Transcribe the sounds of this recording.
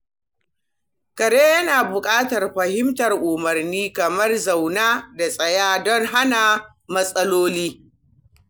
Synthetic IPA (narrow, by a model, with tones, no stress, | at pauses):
kɐ˨ɽeː˦jɐ˦naː˨bʊ˨kʼaː˦tɐ˨rɸɐ˨hɪ˦mtɐ˨rʔʊ˨mɐ˨rniː˦kɐ˨mɐ˦rza˨wnaː˦da˨sʼɐ˨jaː˦dɔ˦ŋɦa˦na˨ | mɐ˦sʼɐ˦loː˦liː˦